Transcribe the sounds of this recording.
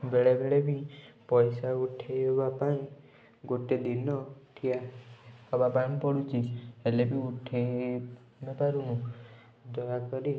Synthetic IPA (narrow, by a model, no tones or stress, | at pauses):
beɭebeɭebipɔjsauʈʰeɦebapaĩ | ɡoʈed̪inɔt̪ʰiahɔbapaipɔɽut͡ʃʰielebiuʈʰe | mepaɾunũ | d̪ʱɔjakɔɾi